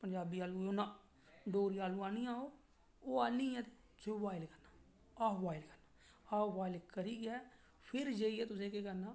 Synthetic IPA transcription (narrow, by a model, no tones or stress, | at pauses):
pəɲd͡ʒaːbiːaːluːonãː | ɖoːɾiaːlũːaːnijãːoː | oːaːnĩːɛ̃ːt̪e | d͡ʒoːbaːɪlkəɾnaː | aːʋaːɪlkəɾnaː | aːʋaːɪlkəɾiːɡɛː | pʰɪɾd͡ʒeːiɛːt̪ʊsẽːkeːkənaː